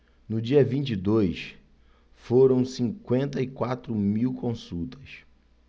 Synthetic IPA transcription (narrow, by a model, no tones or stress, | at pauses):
nʊd͡ʒiɐvĩnt͡ʃid̪ojs | foɾɐ̃w̃sĩŋkwẽnt̪ɐikwat̪ɾʊmiwkõsuwt̪ʰɐ̥s